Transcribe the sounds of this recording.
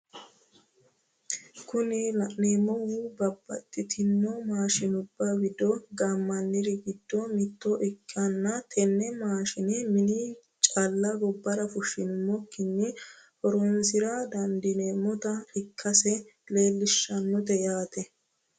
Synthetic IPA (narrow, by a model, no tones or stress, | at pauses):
kʊnɪlɐneːmːɔwubɐbːɐ̰t̪ʼːɪt̪ʰɪnːɔmaːʃɪnʊbːawɪd̪ɔɡamːɐnːɪɾɪɡɪd̪ːɔmɪt̪ːɔʔɛkːɐnːɐt̪ʰɛnːɛmaːʃɪnɛmɪni | t͡ʃʼalːɐɡɔbːɐɾɐfʊʃɪnmɔkːɪnːɪhɔɾɔnsɪɾad̪ɐnd̪ɪneːmːɔt̪ɐɪkʰːɐsɛle̞ːlːɪʃːɐnːɔt̪ɛjaːt̪ɛ